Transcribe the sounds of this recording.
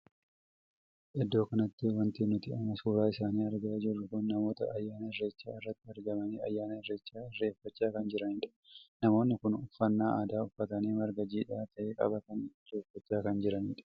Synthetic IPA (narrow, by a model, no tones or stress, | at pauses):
ʔɪd̪ːoːkɐnɐt̪ːɪwɐnt̪ɪnʊt̪ɪʔɐmːɐsuːɾaːɪsaːniːɐɾɡɐd͡ʒɪrːʊkʊnːɐmo̞ːt̪ɐ̰ɐjːaːnɐhɪrːe̞ːt͡ʃːa̰ːɪrːɐt̪ːɪɐɾɡɐmɐniːɐ̰jːaːnɐhɪrːe̞ːt͡ʃːaːɪrːe̞ːfːɐt͡ʃːaːkɐnd͡ʒɪɾɐnɪːᶑɐ̥ | nɐmo̞ːnːɪkʊnʊfːɐnːaːʔaːd̪aːʊfːɐt̪ɐniːmɐɾɡɐd͡ʒiːᶑaːt̪ʰɐʔeːkʼɐ̰bɐkɐnre̞ːfːɐt͡ʃːaːkɐnd͡ʒɪɾɐniᶑɐ̥